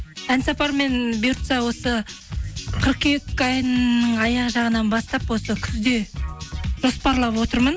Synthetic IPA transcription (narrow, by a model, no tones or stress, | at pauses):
ænsɑpɑɾme̞nbjuɾt̪sɑwo̞sə | qʰəɾqekːɑjnəɴɑjɑʁʒɑʁənɑnbɑst̪ɑpwo̞səkʲʰʏzd̪e̞ | ʒ̥o̞spɑɾlˠɑpwo̞t̪əɾmən